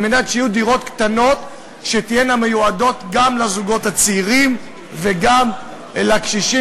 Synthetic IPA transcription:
menat̪ʃejud̪iʁo̞t̪kt̪ano̞t̪ | ʃet̪ijename̞juado̞t̪ɡamlazuɡo̞t̪hat͡siʁim | veɡam | lakʃiʃi

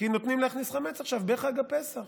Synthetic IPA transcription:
inot̪nimleaχnisχamet͡saχʃavbeχaɡape̞saχ

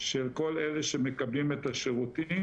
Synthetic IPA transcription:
ʃelko̞leleʃemekablimet̪aʃeʁut̪i

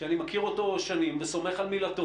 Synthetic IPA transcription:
eanimakiʁo̞to̞ʃanimveso̞meχalmilato

